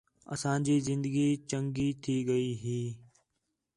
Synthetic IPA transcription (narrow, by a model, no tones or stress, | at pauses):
ə̰sãːd͡ʒiːzɪ̃nd̪əɡiːt͡ʃəŋɡiːt̪ʰiːɡəiːɦiː